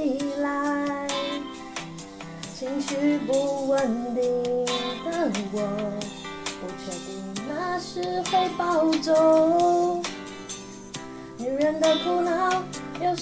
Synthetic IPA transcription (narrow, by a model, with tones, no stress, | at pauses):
i˧la˧ɪɪ | t͡ɕʰi˧˥ŋɕy˧˥p̬u˧˥wə˧˩nt̪i˧ŋt̪a˥˧˩nwwɔ˧˩ | pu˧˩t͡ɕʰɛ˧˩t̪i˧˩na˥˧ʂɻ̩˥xwe˥˧ɪpɑ˥˧˩ʊʈ͡ʂo˧˥ | ni˨˩ɻə˧˥nd̪ə˧kʰu˥˧na˧jo˥˧˩ʊ